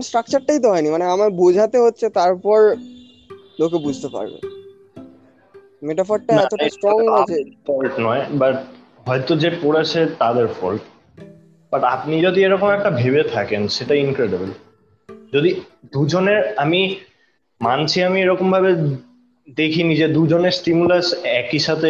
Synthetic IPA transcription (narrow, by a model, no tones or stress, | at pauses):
nsʈɾak̚t͡ɕaɾʈait̪̬oɦɔenimaneamabud͡ʑʱat̪eɦotːɕʰet̪aɾpɔɾ | lok̬ebud͡ʑʱt̪epa̰ɾbḛ | meʈafaɾɖʈaɛt̪oasʈɾɔŋɦʰeɔlʈnɔebaʈ | ɦɔet̪od͡ʑepoɽet͡ɕʰet̪ad̪eɾfɔ̰lʈ | b̥aʈapnid͡ʑod̪ieɾɔkomɛk̚ʈabʱebet̪ʰakenʃeʈainkɾeɖibel | d͡ʑod̪id̪ud͡ʑoneɾami | mant͡ɕʰiamieɾɔkombʱaβe | d̪ekʰinid͡ʑed̪ud͡ʑoneɾsʈimulasɛkiʃat̪ʰe